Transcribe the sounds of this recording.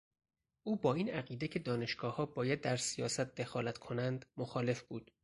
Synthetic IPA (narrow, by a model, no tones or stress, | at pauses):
ʔuːbɒːiːnæɣiːd̪ecʰe̞d̪ɒːne̞ʃɡ̥ɒːhɒːbɒːjæd̪̚ːæɾsijɒ̰ːsæt̪̚ʰd̪e̞xɒːlæt̪kʰo̞nænd̪moxɒːle̞fb̥uːd̪̥